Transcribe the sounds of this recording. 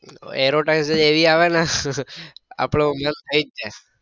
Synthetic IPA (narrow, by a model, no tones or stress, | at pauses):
ḛɾoʈaɪkseeʋiaʋɛna | a̰pɽomənt̪ʰəid͡ʒd͡ʒe